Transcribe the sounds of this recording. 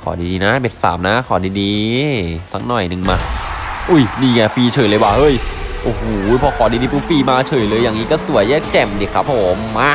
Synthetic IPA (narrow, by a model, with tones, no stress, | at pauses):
kʰɔː˨˩˦diː˧diː˧na˦˥be˨˩t̪̚sa̰ː˩˦mna˦˥kʰɔː˩˦diː˧diː˧ | sʰa˦˥ŋ̚nɔ˨˩jnɯ˨˩ŋmaː˧ | ʔu˧˩jniː˧˩ŋa˧˩fiː˧t͡ɕʰɤː˨˩lɤ˧waː˥˩ʔɤ˧˥˩jʔoː˧˩hoː˨˩˦pʰɔː˧kʰɔː˩˦diː˧diː˧˩pu˦˥fiː˧maː˧t͡ɕʰɤː˨˩jlɤː˧jːaː˨˩ŋniː˦˥kɔː˥˩su˨˩˦əjɛː˥˩kɛ˨˩mdi˨˩kʰɾa˦˥p̚ʰːoː˨˩˦mːaː˥˩